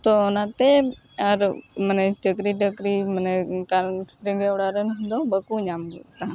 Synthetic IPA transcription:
t̪onãːt̪e | əɾmənet͡ʃəkɾiːʈəkɾimənekalɾəŋɡeʊɽaɾenɦʊ̃nd̪obəkuːɲaːmt̪ã

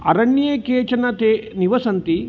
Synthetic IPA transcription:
ɐ̰ɾɐɳːijekeːt͡ʃɐnɐt̪eːniʋɐsɐnt̪i

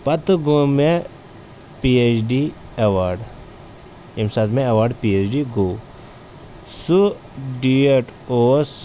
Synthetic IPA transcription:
pɐt̪ɡoːmẽ | piet͡ʃɖi | ɐʋaːɾɖ | emsaːt̪mẽɐʋaːɾɖpieːt͡ʃɖiɡoː | su | ɖieʈoːs

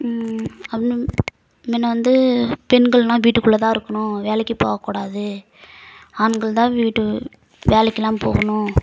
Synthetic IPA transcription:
ɐpːɪnɯ | mɪnːɐʋɐnd̪ɯpɛnɡɐɭnãːʋiːʈːɯkːɯɭːɐt̪ãːɪɾɯkːɐnʊ̃ʋeːlɛkːɯpoːɣɐkːuːɽaːðɯ | anɡɐɭt̪ãːʋiːʈːɯ | ʋeːlɛkːɯlãːmpoːɣɐnʊ̃

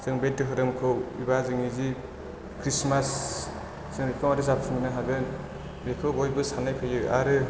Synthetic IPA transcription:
zɯŋbet̚ːɯɦɯɾɯmkʰɯwḭbazɯŋizi | kʰɾismas | sɯŋɾikʰɔmadisapsʰɯminaɦaɡɯn | bekʰɯwojbɯsanajpʰɯjɯaɾɯ

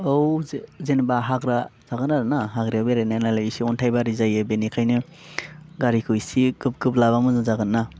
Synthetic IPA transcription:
owzenbaɦaɡɾaz̥aɡɯnaɾɯnaɦaɡɾiawbeɾajnanalajisiɔntʰajbaɾizajɯbenikʰajnɯ | ɡaɾikʰɯjsiɡɯp̚ɡɯplaβamɯzɯzaɡɯnːa

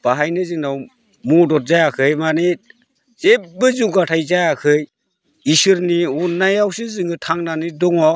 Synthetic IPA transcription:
b̥aɦajnɯzɯŋnaw | mudɔt̚zajakʰɯjmani | z̥ebɯzuɡatʰajzajakʰɯj | isɯɾniunajawsɯzɯŋɯtʰaŋnanidɔŋɔ

